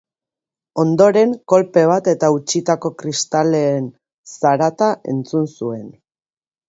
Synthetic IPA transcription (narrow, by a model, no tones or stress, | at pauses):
o̞nd̪o̞ɾe̞ŋko̞lpe̞β̞at̪e̞t̪aut͡ʃit̪ako̞kɾist̪ale̞ːn | saɾat̪aʔe̞̰nt͡sunsue̞n